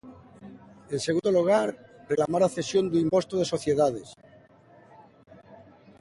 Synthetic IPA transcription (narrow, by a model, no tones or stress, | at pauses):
enseɣund̪oluɣ̞aɾreklamaɾaθe̞sjo̞nd̪uimpo̞st̪uð̞e̞so̞θje̞ðað̞e̞s